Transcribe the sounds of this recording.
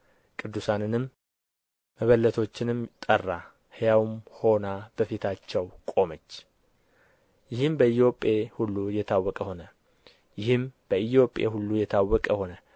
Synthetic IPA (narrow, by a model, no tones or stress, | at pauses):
kʼɨd̪ːusanɨnɨmː | əβəlːət̪ʰo̞t͡ʃːɪnɨmt̪ʼərːa | hɨjawmho̞nab̥əfit̪ʰat͡ʃːɛwkʼo̞mət͡ʃː | jɪhɨmbəijjo̞pʼehulːujɛt̪ʰawːɔkʼəho̞nə | jɪhɨmb̥əijjo̞pʼḛhulːujɛt̪ʰawːɔkʼəho̞nə